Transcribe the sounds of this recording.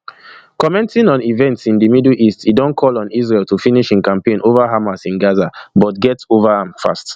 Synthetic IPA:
kɔmɛ̃ntĩnɔ̃nivɛ̃ntsĩndimidlʔistidɔ̃nkʰɔlɔ̃nis̬ɹeltufiniʃĩnkãmpẽnʔovaɦamasĩnɡazabɔtɡɛtsovaãmfa̰st

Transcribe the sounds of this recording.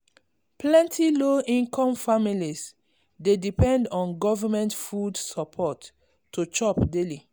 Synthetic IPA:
plɛ̃ntʰiloʔĩnkʰɔ̃mfamilis | dedipɛ̃ndɔ̃nɡɔvamɛ̃ntfudsɔpʰɔtː | ot͡ʃɔpdeli

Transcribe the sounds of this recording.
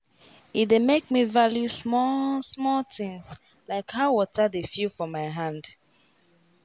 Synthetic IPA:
itdemek̚mivaljusɔsmɔltɪ̃ŋs | laɪkhaʊwɔtʰədefjilfɔmaɪɦãnd

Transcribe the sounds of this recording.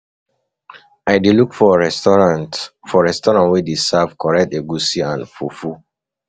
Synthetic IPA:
aɪdelukfɔɹɛɔãtfɔɹɛstɔɹãntwɛdesavkʰɔɹɛk̚teɡusiãnfufu

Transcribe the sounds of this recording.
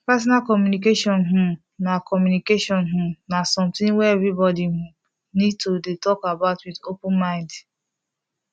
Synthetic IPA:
pɛs̬ɔnakɔmjunik̬eʃɔnɦʊm | nakɔmjunikeʃɔnɦʊ̃mnasɔmtɪ̃ŋwɛevɾibɔdiɦʊm | nid̚todetɔkabaʊtwidopʊ̃nmãɪ̃nd

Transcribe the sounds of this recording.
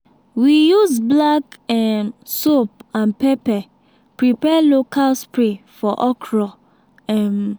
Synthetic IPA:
wijuzblakɛmsopãnpɛpɛ | pɹipɛlokʰalspɹefɔʔɔkʰɹɔ | ɛm

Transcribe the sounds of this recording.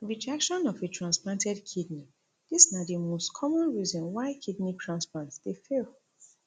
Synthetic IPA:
ɹid͡ʒakʃɔ̃nɔfetɹãnsplãntɛdkʰidni | d̥isnadimostkʰɔmɔ̃nɹizɔ̃nwaɪkʰidnitʰɹãnsplãntsd̥efel

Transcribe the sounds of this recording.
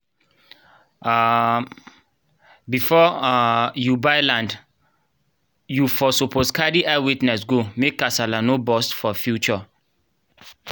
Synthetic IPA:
a | bifɔ | jubaɪlãnd | jufɔsopʰoskadiʔawitnɛsɡomekːasalanobɔstfɔfjut͡ʃɔ

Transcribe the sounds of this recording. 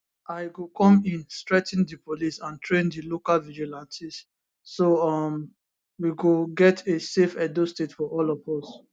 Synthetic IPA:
aɪɡokɔ̃mĩnstɹɛtndipolisãntʰɹẽndilokalvid͡ʒilãnsisː | oɔm | wiɡoɡɛtʰesefɛdostetfɔʔɔlɔvɔs

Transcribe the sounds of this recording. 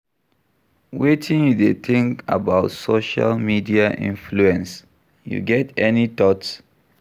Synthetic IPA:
wetʰĩnjudet̪ʰĩŋka̰baʊtsoʃa̰lmidiaʔḭ̃nfluɛ̃ns | jṵɡɛtɛnit̪ɔts

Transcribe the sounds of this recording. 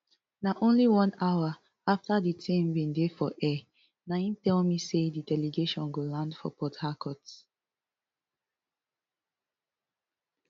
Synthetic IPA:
naʔõnliwɔ̃naʊwa | aftaditʰẽmbĩndefɔʔɛ | naĩntɛlmisedidɛleɡeʃɔ̃nɡolãndfɔ̰pʰɔthakʰɔt

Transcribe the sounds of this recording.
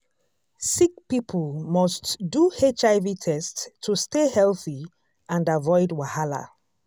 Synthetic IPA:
sik̚pipʰəlmɔstduet͡ʃaɪvitʰɛstʰːustehɛlθi | ãndavɔɪdwahala̰

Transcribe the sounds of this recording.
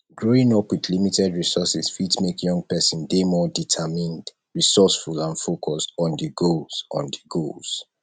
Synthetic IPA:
ɡ̥ɹoĩŋɔpwiðlimitɛdɹisɔsisfitmekjɔ̃ŋɡ̚pɛsɔ̃ndemɔditʰamĩnd | ɹisɔsfulãnfokʰɔstɔ̃ndiɡolsɔ̰̃ndiɡolz̥

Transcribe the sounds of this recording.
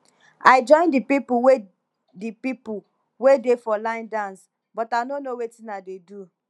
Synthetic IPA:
aɪd͡ʒɔ̃ɪ̃ndipipuwe | dipipu | wedefɔlãɪ̃ndãns | bɔtanonowetĩnadedu

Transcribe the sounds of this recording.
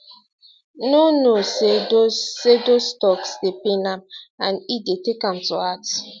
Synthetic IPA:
nonosedoːedostɔksdepenãmãnidetekãmtuat

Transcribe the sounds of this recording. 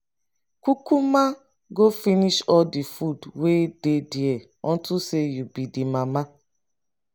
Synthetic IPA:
kʷukuma | ɡofiniʃɔldifudwededie | ɔ̃ntusejubidimama

